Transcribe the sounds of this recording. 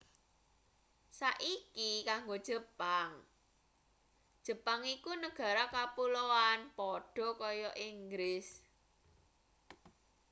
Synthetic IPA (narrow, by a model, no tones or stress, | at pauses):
saʔikikaŋɡod̥ʒ̥ə̤paŋ | d̥ʒ̥ə̤paŋikunəɡ̥ä̤ɾakapuloanpɔɖ̥ɔ̤kɔjɔʔiŋɡɾɪs